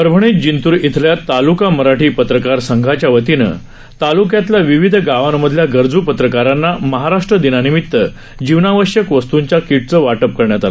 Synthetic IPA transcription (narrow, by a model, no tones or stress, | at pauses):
əɾbʱəɳit̪̚d͡ʑint̪uːɾit̪ʰljat̪ːalukaməɾaʈʰiːpət̪ɾəkaɾsəŋɡʱat͡ɕjaʋət̪inə̰ | t̪alukjat̪ljaʋiʋid̪ʱɡaʋamːəd̪ʱljaɡəɾd͡zupət̪ɾəkaɾanːaməɦaɾaʂʈɾəd̪inanimit̪ːə | d͡ʑiʋnaʋəɕjəkʋəst̪uɲt͡ɕjakiʈ̚t͡səʋaʈəp̚kəɾɳjat̪ala